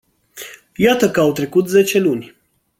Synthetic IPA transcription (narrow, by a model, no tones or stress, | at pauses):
jat̪əkəawt̪ɾe̞kut̪ze̞t͡ʃe̞lunʲ